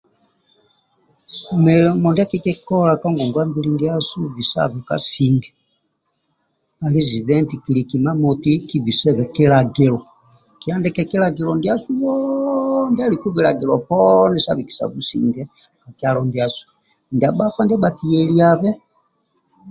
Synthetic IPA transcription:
mɛ˨mɔ˨nda˦ki˦kɛ˦kɔ˦la˨ka˦ŋɡɔ˨ŋɡwa˦mbi˦li˦ŋɡi˦a˦su˦βi˨sa̰˦βɛ˨ka̰˨si˦ŋɡɛ˨ | a˨li˦zi˨βɛ˦nti˨ki˨li˨ki˨ma˦mɔ˨ti˦ki˦vi˨sɛ˦βɛ˨kɛ˦la˨ɡɛ˨lɔ˨ | ki˨a˦ndɛ˦kɛ˨kɛ˦la˨ɡɛ˨lɔ˨ndi˦a˦su˦βɔ˦ndi˦a˦li˨ku˦βi˨la˨ɡɛ˨lɔ˨pɔ˦ndɛ˦sa̰˦βi˨ki̥˨sa̰˨βu˦sḭ˨ŋɡɛ˦ | ka˨ki˦a˦lɔ˨ndi˨a˨su̥˨ | nda˨ba˦ka˦ndɛ˦ba˨ki˨jɛ˨li˦a˨βɛ˦

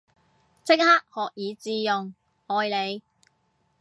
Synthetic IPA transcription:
t͡sɪ˥k̚haː˥k̚hɔː˨k̚jiː˨˧t͡siː˧jʊ˨ŋ | hɔː˨jle˨˧j

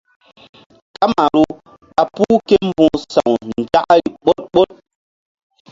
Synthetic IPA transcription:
ka˦ma˨ɾu˦ | a˨puː˦ke˦m̩˦bũ˨sa˨ŋnn̩˨d͡ʒa˦ka˦ɾi˨ɓo˦t̚ɓo˦t̚

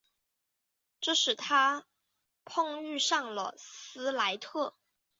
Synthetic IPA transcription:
ʈ͡ʂɤ˥˩ʂɻ̩˨˩t̪ʰa˥ | pʰɤ˥˧ŋy˥˧ʂɑ˥˩ŋlə̰˩sɹ̩˥la˧˥ɪt̪ʰɤ˥˩

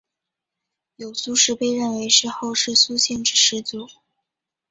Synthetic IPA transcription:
jo˨˩ʊsu˧˥ʂɻ̩˥pe˥˧ɪɻə˥˩nwe˧˥ɪʂɻ̩˥˧xo˥˧ʊʂɻ̩˥˩su˥ɕjɛ˥˩nʈ͡ʂɻ̩˨˩ʂɻ̩˧˥t͡su˧˥

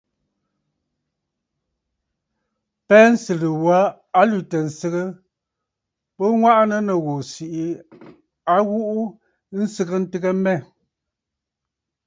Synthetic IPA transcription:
pɛː˦n̩˦sɨ˨lə˨wa˨˦ | a˦lu˨tə˨n̩˨sə˦ɣə˦ | pə˦ŋwa˦ʔnə˦nə˨ɣo˨si˨ʔi˨˦ | a˦ɣu˦ʔu˦ | n̩˦sə˦ɣə˦n̩˦tɨ˦ɣə˦mɛ˦˨

